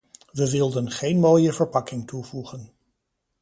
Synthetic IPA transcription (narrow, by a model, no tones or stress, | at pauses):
ʋəʋɪlˠdənχejnmoːjəvəɹpɑkɪŋtuvuχən